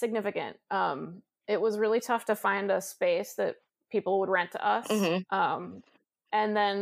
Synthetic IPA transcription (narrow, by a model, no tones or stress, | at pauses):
sɨɡ̚nɪfɨkɨ̰̃nt̚ʔʌ̃m | ɪt̚wʌzɹɪlˠitʰʌftɨfãɪ̃ndəspeɪsðɨt̚ | pʰipl̩ˠwəd̚ɹɛ̃ntʰəʌsʔʌ̃m | ʔɨ̃nðɨ̃n